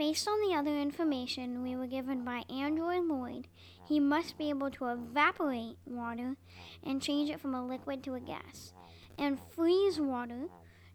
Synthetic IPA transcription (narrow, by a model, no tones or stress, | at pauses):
b̥eɪstn̩ðiʌðə˞ɪ̃ɱfə˞meɪʃɨ̃nwiwə˞ɡɪvɨ̃nbaɪʔæ̃ndɹɔɪdˡlɔɪd̥̚ | imʌst̚b̥ieɪbl̩ˠtʰəɪvæpə˞eɪt̚wɔɾə˞ | ʔɨ̃nt͡ʃʰẽɪ̃nd͡ʒɨtfɹʌ̃məlɪkwɨd̚tʰəɨɡæ̰s | ʔɨ̃nfɹizwɔɾə˞